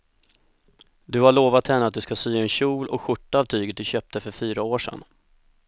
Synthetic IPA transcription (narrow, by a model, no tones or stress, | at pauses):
d̪ɵhaɭoːvat̪hɛnːəat̪̚d̪ɵskasyːɛnɕuːlɔ̰kɧʊʈːaaːvt̪ʰyːɡət̪̚d̪ɵɕœːp̚t̪əfœɾfyːɾaoːʂɛ̰n